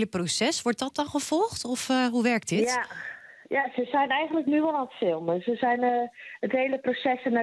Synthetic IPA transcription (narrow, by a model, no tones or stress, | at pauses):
ləprosɛsʋɔɹt̚dɔt̚dɔnχəfɔlˠxtɔfɦuʋɛrk̚dɪt | jasəsɛjnɛjɣəntləknyʋɔlˠantfɪlˠməsəsɛjnətɦejləprosɛsəna